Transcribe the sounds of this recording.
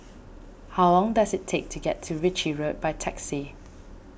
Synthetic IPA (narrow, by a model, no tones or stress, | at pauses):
haʊlɔ̃ŋdazɪtʰek̚tʰuɡɛtʰːuɹɪt͡ʃiɹot̚b̥aɪtʰɛksi